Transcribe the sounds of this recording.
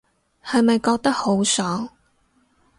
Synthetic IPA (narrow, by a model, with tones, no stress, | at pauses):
hɐ˨jmɐ˨jkɔː˧k̚t̪ɐ˥k̚ho˨˥wsɔː˨˥ŋ